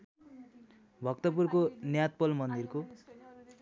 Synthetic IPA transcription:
bʱʌk̚t̪ʌpurkonjat̪̚pʌlmʌnd̪irko

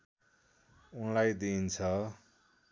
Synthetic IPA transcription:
unlajd̪int͡sʰʌ

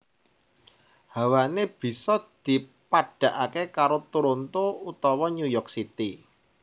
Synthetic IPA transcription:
hawaneb̥i̤sɔd̪̥i̤paɖ̥a̤ʔakekaɾot̪uɾont̪out̪ɔwɔɲujɔrksit̪i

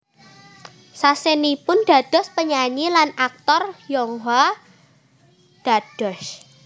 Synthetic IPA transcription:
sasenipʊnɖ̪̥ä̤d̪̥ɔ̤spəɲaɲilanak̚t̪ɔrjɔŋwa | d̪̥a̤d̪̥ɔ̤s

